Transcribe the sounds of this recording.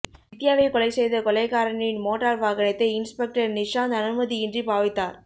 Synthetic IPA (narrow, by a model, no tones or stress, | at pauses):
ɪt̪ːɪjaːʋɐɪkɔlɐɪsɛjðɐkɔlɐɪkaːɾɐɳɪnmoːʈːaːɾʋaːɣɐɳɐt̪ːɐɪɪnspɛk̚ʈɐɾnɪʂaːnɐnɯmɐðiɪndripaːʋɪt̪ːaːɾ